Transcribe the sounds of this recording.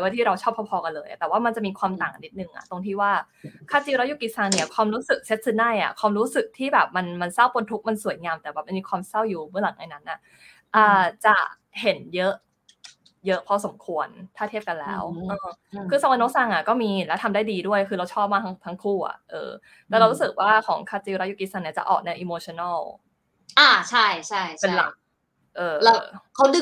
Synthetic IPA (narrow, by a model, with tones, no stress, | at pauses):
waː˥˩t̪ʰiː˥˩ɾa˧wt͡ɕʰɔː˥˩p̚ʰɔ˧˥˩pʰɔː˧ka˧nlɤː˧jʔa̰˨˩t̪ɛː˨˩waː˥˩ma˧nt͡ɕa˨˩ʔmiː˧kʰwaː˧mt̪aː˨˩ŋa˩nːi˦˥t̪̚nɯ˨˩ŋʔa̰˨˩t̪o˧ŋt̪ʰiː˥˩waː˥˩ | kʰaː˥˩t̪i˧ɾa˧˥wju˨˩ki˨˩saː˧ŋni˧˩ɐ˨˩kʰwaː˧mɾuː˦˥sɯ˨˩k̚se˦˥t̪̚sɯ˧˥na˥˩jʔa̰˨˩kʰwaː˧mɾuː˦˥sɯ˨˩k̚t̪ʰiː˥˩bɛː˨˩p̚ma˧nma˧nsa˥˩wpo˧nt̪ʰu˦˥k̚ma˧nsu˨˩˦jŋaː˧mt̪ɛː˨˩bɛː˨˩p̚ma˧nmiː˧kʰwaː˧msa˥˩wjuː˨˩mɯ˥˩ɐla˨˩˦ʔa̰˧jna˦˥nʔa˩ʔ | ʔɤː˧˩t͡ɕa˨˩ | he˩˦njɤ˦˥ʔ | jɤ˦˥ʔpʰɔ˧so˩˦mkʰu˧ənt̪ʰaː˥t̪ʰe˥˩p̚ka˧nlɛ̰ː˦˥wʔɤː˧˩ɯː˧sa˧wa˧no˦˥sa˧ŋʔa˨˩kɔː˥˩miː˧lɛ˦˥t̪ʰa˧mdaː˥˩jdiː˧du˥˩əjkʰɯː˧ɾa˧wt͡ɕʰɔː˥˩p̚maː˥˩a˦˥ŋt̪ʰa˦˥ŋkʰuː˥˩ʔa̰˨˩ʔʔɤ̰ː˧ | lɛː˧˦˥ɾa˧ɾu˦˥sɯ˨˩k̚waː˥˩kʰɔː˩˦ŋkʰaː˧t͡ɕiː˧wɾa˦˥ju˧˩ki˧˥sa˧ni˧˩ɐt͡ɕa̰˨˩ʔɔ̰ː˨˩k̚na˧ʔiː˧moː˧t͡ɕʰɔ˧˩na˥˩w | ʔaː˧˩t͡ɕʰa˥˩jt͡ɕʰa˥˩jʰpe˧nla̰˨˩k̚ | ʔɤː˧lkʰa˦˥wdɯ˨˩